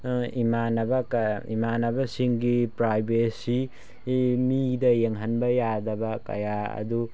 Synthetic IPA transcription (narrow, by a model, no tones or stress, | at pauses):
imanɐbɐkḭmanɐbɐsiŋɡipɾajbesi | midɐjeŋɦɐnbɐjadɐbɐkɐ̰jaɐ̰du